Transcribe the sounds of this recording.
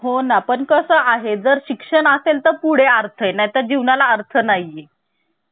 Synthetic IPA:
ɦonapəɳkəsəːaɦed͡zəɾɕikʂəɳəselt̪əɾpuɽ̤eəɾt̪ʰəenajt̪əɾd͡ʑiʋɳalaəɾt̪ʰənaje

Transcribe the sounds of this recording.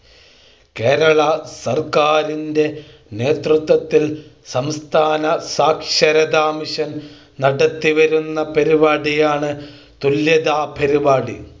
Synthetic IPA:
keːɾɐɭɐsɐrkaːɾinde̞ | ne̞ːt̪rut̪ʋɐt̪ːilsɐmst̪ʰaːnɐsaːkʂɐɾɐd̪aːmiɕɐn | nɐɽɐt̪ːiʋɐɾunːɐpɐɾibaːɽijaːɳɨ | t̪uljɐd̪aːpɐɾibaːɽḭ

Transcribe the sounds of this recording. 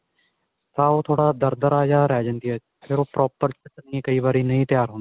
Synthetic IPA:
t̪ãːoːt̪ʰoːɽaːd̪əɾd̪əɾaːd͡ʒaːɾɛːd͡ʒə̃nd̪iːa | pʰɪɾoːpɾɔːpəɾt͡ʃəənieːkəiːʋaːɾiːnəĩːt̪jaːɾɦoːndi

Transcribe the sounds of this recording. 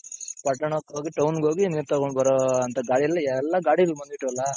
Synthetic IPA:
pɐʈːɐɳɐkːɦoːɡiʈɐwnɡoːɡiniːɾt̪ɐkoɳɖbɐɾoɐnt̪ɐɡaːɽiɛlːɐɛlːɐɡaːɽiɐlbɐnd̪biʈːuʋɐlːɐ

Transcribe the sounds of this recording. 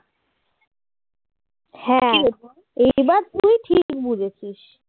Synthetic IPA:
hɛ̃a | ejbaɾt̪uiʈʰik̚bud͡ʑʱet͡ɕʰiʃ

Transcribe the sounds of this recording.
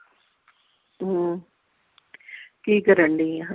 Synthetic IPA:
ɦ | kiːkəɾəɳɖiːa

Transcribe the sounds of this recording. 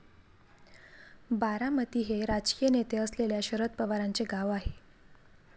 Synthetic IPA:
baɾamət̪iːɦeɾad͡ʑkijənet̪eəsleljaɕəɾət̪̚pəʋaɾant͡seɡaʋaɦe

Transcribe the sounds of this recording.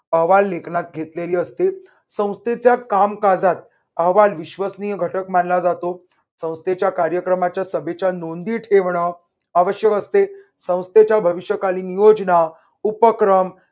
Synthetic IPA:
əʋalːekʰnat̪̚ɡʱet̪leliːəst̪e | sə̃w̃st̪et͡ɕjakamkad͡zat̪̚ | əɦʋalʋiɕʋəsnijəɡʱəʈəkmanlad͡zat̪o | sə̃w̃st̪et͡ɕjakaɾjəkɾəmat͡ɕjasəbʱet͡ɕjanond̪iːʈʰeʋɳə | aʋəɕjəkəst̪e | sə̃w̃st̪et͡ɕjabʱəʋiɕjəkaliːnijod͡zna | upəkɾəm

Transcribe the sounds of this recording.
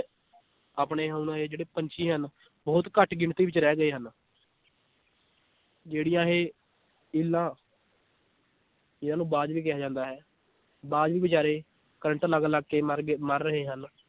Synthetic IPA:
aːpɳeːɦaunãːɦeːd͡ʒeːɽeːpəɲt͡ʃiːɦən | bɔːt̪kəʈɡɪɳt̪iːʋɪt͡ʃɾɛːɡəeːɦən | d͡ʒeːɽɪjãːɦeː | ɪlːãː | ɪnãːnũːbaːd͡ʒʋiːk̬ɪaːd͡ʒãːnd̪aːɦɛː | baːd͡ʒʋiːbɪt͡ʃaːɾeː | kəɾəɳʈaləɡlaːɡkeːəɾɡməɾːəɦeːɦən

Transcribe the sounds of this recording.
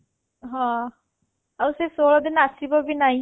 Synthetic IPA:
ɦãː | awsesoːɭɔd̪ɪnasibɔbʱinaɦĩ

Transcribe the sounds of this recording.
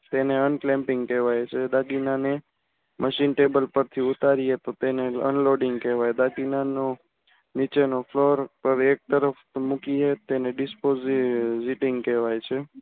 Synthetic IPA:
t̪eneənklɛ̃mpɪŋɡkɛʋajt͡ʃʰed̪aɡinane | mʔəʃinʈebəlpəɾt̪ʰiut̪aɾiet̪ot̪eneə̰nloɖɪŋɡkɛʋajd̪aɡinano | nit͡ʃenofloɾpəɾek̚t̪əɾəfmukiɦet̪eneɖɪspozziʈɪŋɡkɛʋajt͡ʃʰe

